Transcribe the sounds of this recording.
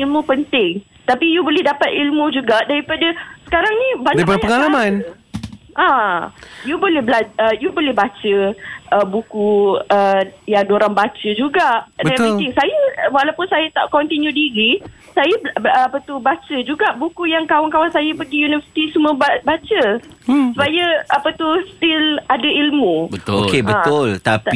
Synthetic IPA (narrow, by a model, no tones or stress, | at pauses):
ilmũpənt̪ɪŋ | t̪apijubolɛhdapat̪̚ilmũd͡ʒuɡaʔdaɾipadasə̥kaɾaŋnĩbaɲipadaɲapəŋalaman | ʔã | jubolɛhblaəjubolɛhbat͡ʃəʔəbukuəjaŋdoɾaŋbat͡ʃəd͡ʒuɡaʔdbɛit̪ɪŋsajəwalawpʊnsajət̪aʔkɔnt̪injũdiɾi | sajəbapət̪ubat͡ʃəd͡ʒuɡaʔbukujaŋkawankawansajəpəɡijunivəsi̥t̪isuməbabat͡ʃəsupajəʔapət̪ust̪ɪladailmũbət̪ʊolkebəãtʊlt̪apt̪i